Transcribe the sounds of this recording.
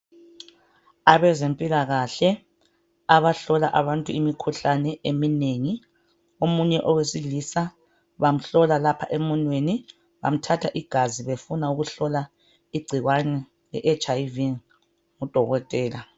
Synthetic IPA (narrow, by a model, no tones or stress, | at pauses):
aβɛzempʼilaɣaɬɛ | aβaɬɔlaʔaβantʼuimikʰuɬanɛʔemineŋi | omuɲɛʔɔwesilisa | βam̩ɬɔlalapʰa̰ʔemɔnweni | βa̰m̩tʰatʰaʔiɡ̥ʱaziβefunauɣuɬɔla | iɡ͡ǀʱiɣwanɛ | lɛ̰ʔet͡ʃʼajiviŋ | ud̥ʱɔɣɔtʼɛːla